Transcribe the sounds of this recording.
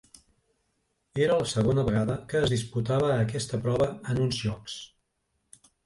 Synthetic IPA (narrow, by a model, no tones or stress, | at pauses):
eɾələsəɣ̞onəβəɣ̞aðəkəːzðisput̪aβ̞əːkɛst̪əpɾɔβəənunzʒɔks